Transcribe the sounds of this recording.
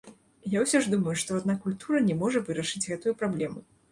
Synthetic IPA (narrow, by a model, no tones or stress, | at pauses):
jawsʲɔʐd̪umɐjuʂt̪ɔad̪̚nakulʲt̪uɾɐnʲɛmɔʐɐvɨɾɐʂɨd͡zʲɣɛt̪ujupɾablʲɛmu